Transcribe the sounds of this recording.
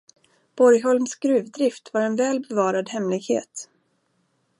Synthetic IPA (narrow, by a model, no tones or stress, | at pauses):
b̥ɔɾjɦɔlmsɡ̥ɾʉ̟ːvd̪ɾɪft̪vaɾɛnvɛːlbɛvɑːɾad̪hɛmlɪɡhḛːt̪